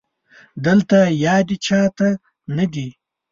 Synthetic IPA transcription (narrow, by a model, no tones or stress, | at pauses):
d̪əlt̪ajɑːd̪it͡ʃʰɑːt̪a | nad̪i